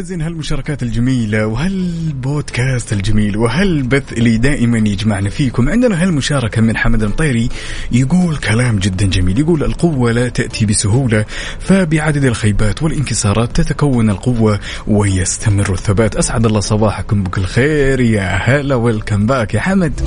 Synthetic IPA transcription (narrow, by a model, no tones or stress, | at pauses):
aziːnhalmʊʃɑːɾˤɑkaːt̪ɪld͡ʒamiːlawɪɦalboːd̪kaːst̪ɪld͡ʒamiːlwɪɦalbaθʔlid̪aːʔɪmanjɪd͡ʒmaʕnafiːkʊmʕɪnd̪ɪnaɦalmʊʃɑːɾˤɑkamɪnħamad̪ɪlt̪ˤeːɾijɪɡuːlkʰalaːmd͡ʒɪd̪ːand͡ʒamiːljɪɡuːlɪlqʊwːalat̪aʔt̪ʰibɪsʊɦuːla | fabɪʕad̪ad̪ɪlxajbaːt̪wɪlʔɪnkɪsˤɑːɾˤɑːt̪ːat̪akawːanɪlqʊwːa | wɪjast̪ʰamɪrːɪθːabaːt̪ʔasʕad̪ɑlˤːɑːsˤɑbɑːħakʊmbʊkɪlxeːɾjahalawɪlkambaːkjaħamad̪